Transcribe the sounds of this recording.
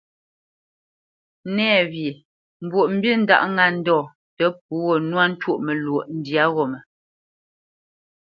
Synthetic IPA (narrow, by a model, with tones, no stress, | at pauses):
nɛː˦˨vji˨ | m̩˨bwo˨ʔm̩˦bji˦˨n̩˦da̰˦˨ʔŋa˦n̩˦dɔː˦˨ | tə˦p̚u˦ɣɔ˦˨nwa˦n̩˦two˦ʔmə˨lwo˨ʔn̩˦dja˦ɣɔ˨mə˨